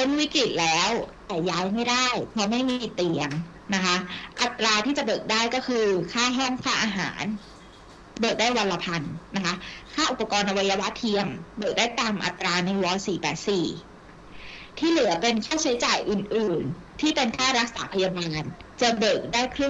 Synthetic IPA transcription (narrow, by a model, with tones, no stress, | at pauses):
po˧˥˩nwi˦˥kɾi˨˩t̪̚lɛː˦˥wt̪ɛː˨˩jaː˦˥jma˥˩jdaː˥˩jpʰɾɔ˧˦˥ma˥˩jmi˧˩t̪i˧əŋ | na˦˥kʰa˦˥ʔa˨˩t̪ːɾaː˧t̪ʰiː˥˩t͡ɕa˨˩bɤː˨˩k̚daː˥˩jkɔː˥˩kʰɯː˧kʰaː˥˩ɦɔ˥˩ŋkʰaː˥˩ʔaː˧ɦa̰ː˩˦n | bɤː˨˩k̚daː˥˩jwa˧la˧pʰa˧nːa˦˥kʰa˦˥kʰaː˥˩ʔu˨˩pa˧kɔː˧nʔa˧wa˧jːa˧wa˦˥t̪ʰi˧əŋbɤː˨˩k̚daː˥˩jt̪aː˧mʔa̰˨˩t̪ːɾaː˧na˧jwɔː˦˥siː˨˩˦pɛ̰ː˨˩t̪̚siː˨˩ | t̪ʰiː˥˩lɯ˨˩˦ɐ˦pe˧nkʰaː˥˩t͡ɕʰa˦˥jt͡ɕaː˨˩jʔɯː˨˩nʔɯː˨˩n | t̪ʰiː˥˩pe˧nkʰaː˥˩ɾa˦˥k̚sa̰ː˨˩˦pʰa˧jaː˧maː˧n | t͡ɕɤː˧˩bɤː˨˩k̚daː˥˩jkʰɾɯ˥˩ŋ